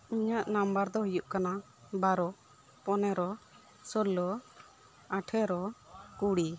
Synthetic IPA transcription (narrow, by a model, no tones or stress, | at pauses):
iɲəʔnambəɾd̪ɔɦəjuʔkana | baɾɔ | pɔnɛɾɔ | səlɔ | aʈʰɛɾɔkuɽi